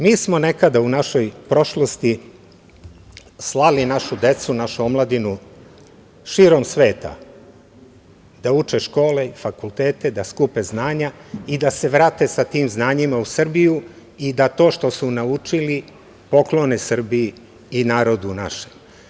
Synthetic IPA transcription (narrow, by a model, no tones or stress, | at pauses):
miːsmo̞ne̞kad̪aunaʃo̞jpɾo̞ʃlost̪i | slˠalinaʃud̪e̞t̪sunaʃuomlˠad̪inu | ʃiɾo̞msʋe̞ːt̪a̰ | d̪aut͡ʃeʃko̞ːle̞ifakulˠt̪eːt̪ed̪askupeznaːɲaid̪ase̞ʋɾaːt̪e̞sat̪iːmznaːɲimausr̩biju | id̪at̪o̞ːʃt̪o̞sunaut͡ʃili | po̞klo̞nesr̩biiː | naːɾo̞d̪unaʃem